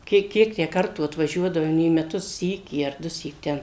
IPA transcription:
ˈkʲiɛk ˈkʲiɛk tʲæː ˈkɐrtuː ɐtʋɐˈʒʲuɔdɐʋoːm iː mʲɛˈtʊs ˈsʲiːkʲiː ɐr ˈdʊsʲiːk ˈtʲɛn

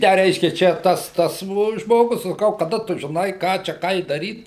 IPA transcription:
ˈtʲæː ˈrʲɛɪʃʲkʲɛ ˈt͡ʃʲɛ ˈtɐs ˈtɐs ʒmoːˈɡʊs sɐˈkɐʊ kɐˈdɐ ˈtʊ ʒʲɪˈnɐɪ ˈkɑː t͡ʃʲɛ ˈkɐɪ dɐˈrʲiːt

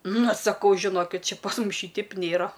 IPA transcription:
ˈnʊ sɐˈkɐʊ ʒʲɪˈnoːkʲɪt ˈt͡ʃʲɛ pɐs ˈmʊs ˈʃʲiːtʲɛɪp ˈnʲeːrɐ

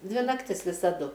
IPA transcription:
ˈdʲʋʲɪ nɐkˈtʲɪs ʋʲɪsɐˈdʊ

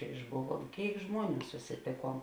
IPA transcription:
ɪʒˈbʊˌʋuɔm ˈkʲeːɪk ˈʒmuɔˌnʲuː sʊsʲɪˈtʲeːˌkuɔm

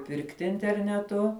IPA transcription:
ˈpʲɪrktʲɪ ɪnʲtʲɛrʲnʲɛˈtʊ

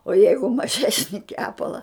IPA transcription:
oː ˈjɛɪɡʊ mɐˈʒʲæːsʲnʲɪ ˈkʲæːpɐlˠɐ

